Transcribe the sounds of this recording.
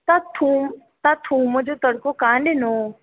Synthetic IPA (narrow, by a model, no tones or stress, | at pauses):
t̪at̪ʰuːm | t̪at̪ʰũːmod͡ʒot̪əɽkokaːnɖenoː